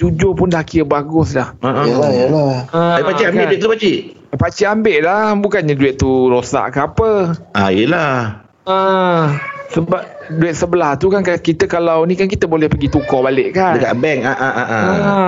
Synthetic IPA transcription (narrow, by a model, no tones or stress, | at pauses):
d͡ʒud͡ʒopʊndaakiəbaɡʊslahəʔajəlaəapat͡ʃiambbɪʔdɛʔ̚t̪upat͡ʃiʔ | pat͡ʃiambeʔlahbukanɲaduɛʔ̚t̪ːuɾosa̰ʔkəapəʔajəla | ə | səbap̚duɛt̪̚səbəlaht̪ukankakit̪əkalawnĩkankit̪əbolɛhpəɡit̪ukɔhbaleʔkanəkaʔbɛŋaʔaʔaʔaə